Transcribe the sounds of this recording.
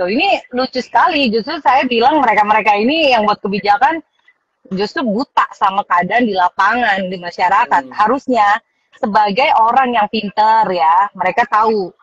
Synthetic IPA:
t̪oinilut͡ʃusə̥kalid͡ʒust̪ɾʊsajabilaŋməɾekaməɾekainijaŋbuat̪̚kəbid͡ʒakan | d͡ʒust̪ɾʊbut̪aʔsamakadandilapaŋandimaʃaɾakat̪̚haɾusɲa | səbaɡajoɾaŋjaŋfint̪ərjaməɾekat̪au

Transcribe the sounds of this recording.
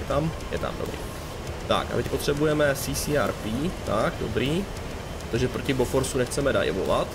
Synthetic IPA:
jɛt̪am | jɛ̰t̪a̰mdo̰bɾḭː | t̪a̰ka̰vɛcpo̞t̪r̥ɛbujɛmɛsisiːaɾpiːt̪akdobɾiː | ot̪oʒɛpɾo̞cɪbofoɾsunɛxt͡sɛmɛda̰j̰vo̰va̰t̪

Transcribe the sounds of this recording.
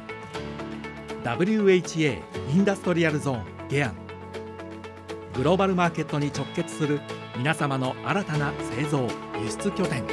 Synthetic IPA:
d̪abɯ̟ɾʲɯe̞it͡ɕie̞ːĩnd̪asɨ̥t̪o̞ɾʲiaɾɯ̟zõ̞ːŋ | ɡ̥e̞ãŋ | ɡɯ̟ɾo̞ːbaɾɯ̟maːke̞t̪ːo̞ɲ̟it͡ɕo̞kːe̞t͡sɨ̥sɨɾɯ̟ | mʲinasamano̞aɾat̪anase̞ːzo̞ːjɯɕi̥t͡sɨkʲo̞t̪ẽ̞ŋ

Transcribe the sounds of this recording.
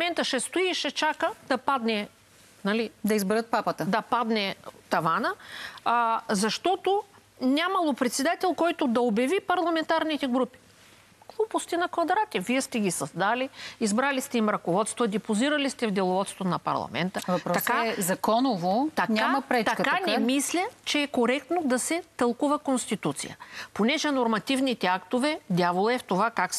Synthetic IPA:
mɛnt̪əʃɛst̪oiʃɛt͡ʃakəd̪̥ɐpad̪nɛ | nɐlid̪ɐizbɛɾət̪̚papət̪əd̪ɐpad̪nɛt̪ɐvanə | zɐʃt̪ɔt̪o | nʲamɐlˠopɾɛt̪sɛd̪at̪ɛlˠkɔjt̪od̪ɐobjɐvipɐɾlˠɐmɛnt̪aɾnit̪ɛɡɾupi̥ | ɡlˠupost̪ɛnɐkvɐd̪ɾat̪ʲɛviɛst̪ɛɡʲisɐzd̪aliizbɾalist̪ɛimɾɐkovɔt̪st̪vəd̪ɛpʊziɾɐlist̪ɛvd̪ɛlˠovɔt̪st̪t̪onɐpɐ̰ɾlˠɐ̰mɛ̰nt̪əvɐpɾt̪ɐkazɐkɔnovot̪ɐknʲamɐpɾɛt͡ʃt̪ɐkkanɛmislʲət͡ʃɛːkoɾɛkt̪nod̪ɐsɛt̪ɐlˠkuvɐkonst̪it̪ut̪sḭjə̰ponɛʒɛnoɾmɐt̪ivnit̪ɛakt̪ovɛd̪ʲjavolˠɐɛft̪ovakaks

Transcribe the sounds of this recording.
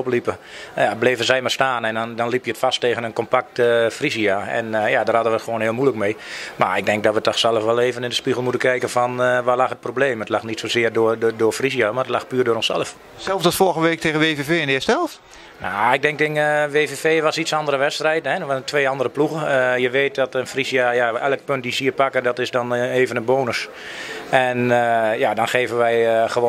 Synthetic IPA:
oplipəjableːvəzɛjmarstaːnɛndɔndɔnlipjəətfasteːɣənənkompak̚təfrisiaɛ̰njadərhadənʋətxʋoːnhɪəlˠmujləkmejma̰rɪɡ̚dɛŋk̚dɔtʋətɔxsɛlˠəfʋɛlˠeːvənɪndəspiɣəlˠmutənkɛjkənfɔnʋalaxət̚probleːmətlaxnitsozɪərdʊdʊːəfrisjamarətlaxpyːrdʊːrɔnsɛ̰lˠəf | sɛlˠsdɔsfoɣəʋeːk̚tʰeːɣəʋeːvefeːɛnɪəsɛlˠf | naɪɡ̚dɛŋk̚tɪnəʋeːveːfeːʋasitsɑndəɾəʋɛtstrɛjtɛʋatʰʋeːɑndərəpluɣəjəʋeːt̚dɔtənfrisjajaɛlˠək̚pønt̚disiəpakədɔtɪsdɔneːvənənboːnəs | ɛnəjadɔnxeːvənʋɛjxəʋo

